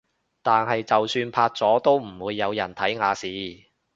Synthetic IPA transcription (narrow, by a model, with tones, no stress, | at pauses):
t̪aː˨nɦɐ˨jt͡sɐ˨wsyː˧npʰaː˧t̚t͡sɔː˨˥t̪o˥wm̩˨˩wuː˨˧jːɐ˨˧wjɐ˨˩nt̪ʰɐ˨˥jŋaː˨˧siː˨˧